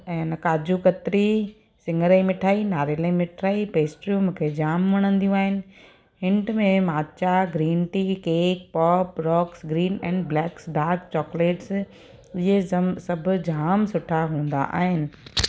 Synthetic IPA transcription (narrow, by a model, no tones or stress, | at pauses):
ɛ̃ːnɐkaːd͡ʑukɐt̪ɾi | sɪ̃ŋɡəɾəimɪʈʰaːinaːɾeləimɪʈʰaːipeːsʈɾijũmũːkʰed͡ʑaːmʋɐɽ̃ə̃nd̪ijũaːɦɪnɪ̆ | hɪ̃ɳʈmẽmaːt͡ɕaɡɾiːnʈikeːk̚pɔːpɾɔːksɡɾiːnɛ̃ːɳɖblɛːksɖaːɾkt͡ɕɔːkleːʈs | ɪɦesɐbʱʊ̆d͡ʑʱaːmsʊʈʰaɦũːn̆d̪a̰ʔa̰ːɦɪnɪ̆